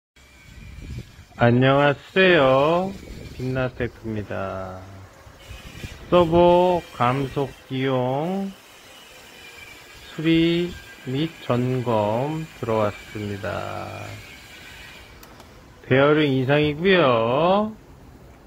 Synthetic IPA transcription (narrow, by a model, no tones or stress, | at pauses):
aɲːʌŋassejo | pinːatʰepʰɯmɲida | s͈ʌbokamsʰok̚k͈ijoŋ | sʰuɾi | mit͡ɕ͈ʌnɡʌmtɯɾʌwas͈ɯmɲida̰ | te̞ʌɾɯnis̬ʰaŋiɡujo